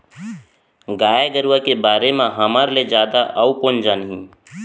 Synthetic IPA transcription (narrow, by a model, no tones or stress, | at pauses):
ɡaːeɡəɾakebaːɾemẽɦəmaɾled͡ʒjaːd̪aʔəukond͡ʒanɦĩː